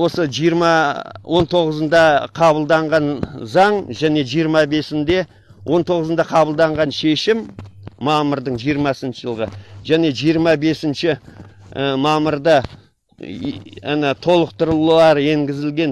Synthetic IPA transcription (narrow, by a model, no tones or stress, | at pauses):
wo̞səʒijəɾmɑwʔo̞nt̪ʰo̞ʁəzənd̪ɑqʰɑbəlˠd̪ɑɴʁɑnzɑɴʒæne̞ʒijəɾmɑbe̞sɪnd̪e̞ | wʔo̞nt̪ʰo̞ʁəzənd̪ɑqʰɑbəlˠd̪ɑɴʁɑnʃe̞ʃɪmːɑməɾd̪əɴʒijəɾmɑsənʃəʒəlˠʁəʒæne̞ʒijəɾmɑbe̞sɪnʃɪ | əmɑməɾd̪ə | net̪ʰo̞lˠəq̚t̪əɾəlulˠɑɾe̞ŋɡʲɪzɪlɡʲe̞n